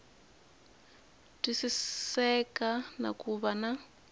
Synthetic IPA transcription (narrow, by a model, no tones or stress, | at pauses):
tisisɛkana̰kuβana